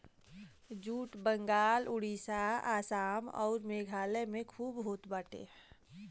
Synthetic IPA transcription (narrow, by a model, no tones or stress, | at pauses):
d͡ʒuːʈbə̃ŋɡaːlʊɽisaaːsaːmɔ̰ːɾmeːɡʱaːlemẽkʰuːbɦoːt̪bəʈḛ